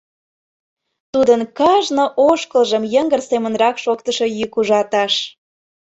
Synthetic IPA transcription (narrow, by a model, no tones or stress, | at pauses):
t̪ud̪ənkɑʒnoʔoʃkəlˠʒəmjəŋɡərsemə̆nrɑkʃokt̪əʃo̽jykuʒɑt̪ɑʃ